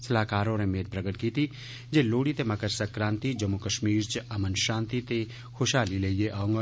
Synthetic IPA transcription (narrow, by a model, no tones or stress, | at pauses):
sɐlaːkaːɾõnemeːd̪̚pɾɐɡəʈ̪̚kiːt̪ʰi | d͡ʒeloːɽit̪emɐkəɾsɐkɾãːnt̪id͡ʒɐmːukɐʃmiːɾt͡ʃɐmənʃãːnt̪it̪e | xoʃaːlileijeʔaːõŋɡ